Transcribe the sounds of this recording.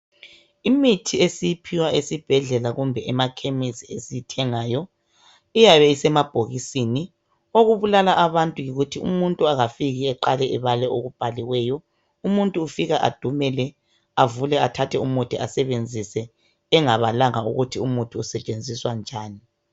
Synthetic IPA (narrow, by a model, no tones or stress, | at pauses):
imitʰiesijipʰiwaesib̥ʱɛɮɛlaɣumbʱɛʔɛmakʰemisiesijitʰɛŋaːjɔ | ijaβɛisɛmab̥ʱoɣisini | oɣuβulalaʔaβantʼujiɣutʰiṵmuntʼuaɣafiɣiɛǃalɛʔɛβalɛʔoɣub̥ʱaliɣwɛjɔ | umuntʼuːfiɣaʔa̰d̥ʱumɛlɛ | avulɛatʰatʰɛumutʰʼiʔasɛβend͡zʱisɛː | ŋaβalaŋauɣutʰiumutʼuːsɛt͡ʃʼend͡zʱiswand͡ʒʱaːni